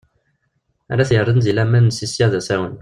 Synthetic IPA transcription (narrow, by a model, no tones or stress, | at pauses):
æ̰ɾæθjəɾˤəðnzilæmænːəsisjæðæsæwən